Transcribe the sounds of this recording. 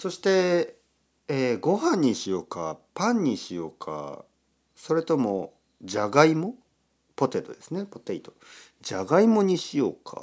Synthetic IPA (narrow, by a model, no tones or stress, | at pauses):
so̞ɕi̥t̪e̞ | eːɡo̞hãɲ̟ːiɕijo̞ːkapãɲ̟ːiɕijo̞ːkʰa̰ | so̞ɾe̞t̪o̞mo̞ | d͡ʑaɡaimo̞ | po̞t̪e̞t̪o̞d̪e̞sɨne̞po̞t̪eit̪o̞ | d͡ʑaɡaimo̞ɲ̟iɕijo̞ːkʰa̰